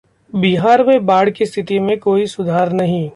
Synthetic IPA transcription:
biɦaːɾmẽbaːɽkist̪ʰɪt̪imẽkoːisʊd̪ʱaːɾnɐɦĩː

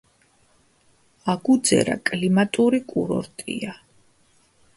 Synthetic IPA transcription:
aɡud̪zɛ̰ɾa̰kʼlimat̪ʼuɾikʼuɾɔ̰ɾt̪ʼḭa

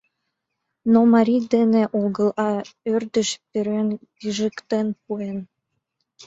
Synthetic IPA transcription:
nomɑɾʲid̪eneʔoɡə̆lɑørd̪ə̆ʃpeɾønkiʒə̆kt̪enpuen

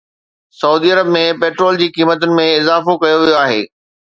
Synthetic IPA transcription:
sɐuːd̪iɐɾəbmẽpeːʈɾoːld͡ʑiːkiːmət̪ʊnɪ̆mẽɪzaːfokɐjoʋijoaːɦḛː

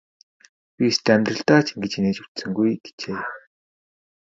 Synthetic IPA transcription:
pʲist̪æmʲt̪rə̆ɬt̪aːt͡ɕʰiŋɡĕt͡ɕineːt͡ɕu̥t̪sɘ̆ŋɡujɡe̥t͡ɕeː

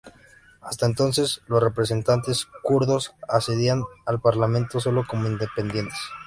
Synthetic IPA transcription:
ast̪aent̪o̞nse̞slosre̞pɾe̞s̬e̞nt̪ant̪e̞skuɾðo̞saseðianalpaɾlamẽ̞nt̪o̞s̬o̞lo̞ko̞moind̪e̞pe̞nd̪je̞nt̪e̥s

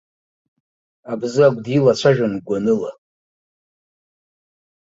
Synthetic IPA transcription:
abzɨaɡʷdilat͡ɕʷʰaʒᶣanɡʷanɨla

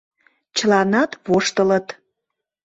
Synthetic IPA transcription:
t͡ɕəlɑnɑt̪βoʃt̪ələt̪

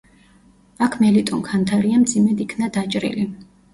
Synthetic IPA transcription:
akʰmɛlit̪ʼɔnkʰant̪ʰaɾiamd̪zimɛd̪ikʰnad̪at͡ʃʼɾḭli

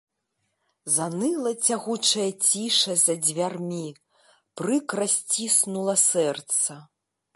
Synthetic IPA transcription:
zanɨlˠɐt͡sʲaɣut͡ʂɐjɐt͡sʲiʂɐzɐd͡zʲvʲarmʲi | pɾɨkrasʲt͡sʲisnulˠɐsɛrt̪sɐ

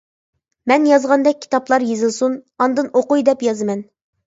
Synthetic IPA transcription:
mɛnjɑzʁɑnd̪ɛk̚ʲʰːi̥t̪ɑplˠɑɾjezɨlˠsunɑnd̪ɨnoqujd̪ɛpjɑzɨmɛn

